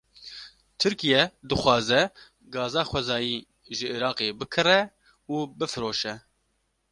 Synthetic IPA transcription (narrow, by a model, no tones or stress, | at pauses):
t̪ʰɨɾkijɛd̪ɨxʷwɑːzɛ | ɡɑːzɑːxʷwɛzɑːjiː | ʒɨʔiɾɑːqebɨkʰɨrɛ | uːbɨfɨɾoːʃɛ